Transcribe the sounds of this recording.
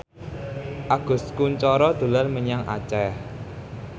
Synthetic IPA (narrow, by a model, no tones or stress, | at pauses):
ʔaɡ̥ʊ̤skuɲt͡ʃɔɾɔd̪̥o̤larməɲaŋʔa̰t͡ʃɛh